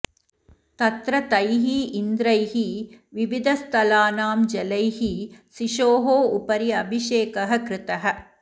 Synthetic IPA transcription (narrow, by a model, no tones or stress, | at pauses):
t̪ɐt̪ɾɐt̪ɐjɦiːnd̪ɾɐjɦiʋiʋid̪ʱɐst̪ʰɐlaːnaːmd͡ʒɐlɐjhisiʃoːɦoːupɐɾiɐbʱiʃeːkɐɦɐ̆kɾɪt̪ɐɦɐ̆